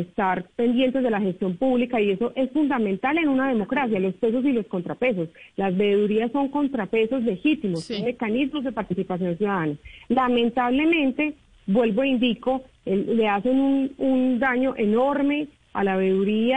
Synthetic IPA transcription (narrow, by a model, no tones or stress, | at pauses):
est̪aɾpe̞nd̪je̞nt̪e̞zðelaxe̞st̪jo̞mpuβlikaie̞so̞ʔe̞sfund̪amẽnt̪ale̞nunað̞e̞mo̞kɾas̬jalo̞spe̞s̬os̬ilo̞sko̞nt̪ɾape̞s̬o̞slazbeðuɾiasːo̞ŋko̞nt̪ɾape̞so̞zle̞xit̪imo̞sːo̞nme̞kanizmo̞zd̪e̞paɾt̪isipas̬jo̞ns̬juðaðanalamẽ̞nt̪aβle̞mẽ̞nt̪e̞ | bwe̞lbo̞eind̪iko̞ | eːe̞ase̞nunund̪aɲo̞ʔe̞no̞ɾme̞ | a̰laβe̞ðuɾia